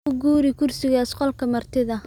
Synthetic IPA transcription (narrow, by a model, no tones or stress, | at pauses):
ʊɡuːɾɪkʰʊrsɪɣaːsqɔlkʰɐmɐrt̪ʰɪðɐ